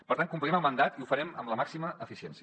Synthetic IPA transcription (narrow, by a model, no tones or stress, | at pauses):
pəɾt̪aŋkumpliɾɛməlˠmənd̪at̪iufəɾɛmə̰mləmaksiməʔːfisiɛnsiə